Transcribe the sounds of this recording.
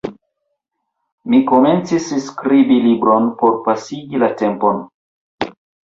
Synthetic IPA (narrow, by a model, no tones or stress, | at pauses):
miko̞me̞nt͡sisskɾibilibɾo̞npo̞ɾpasiɡilate̞mpon